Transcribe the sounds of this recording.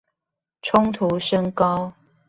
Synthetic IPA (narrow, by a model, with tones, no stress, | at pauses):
ʈ͡ʂʰʊ˦ŋt̪ʰu˨˦ʂə˦ŋkɑ˦ʊ